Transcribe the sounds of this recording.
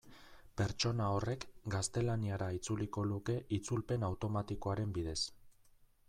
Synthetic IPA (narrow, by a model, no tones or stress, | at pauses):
pe̞ɾt͡ʃo̞nao̞re̞kɡast̪e̞laniaɾait͡suliko̞luke̞ʔit͡sulpe̞nawt̪o̞mat̪iko̞aɾe̞mbiðe̞s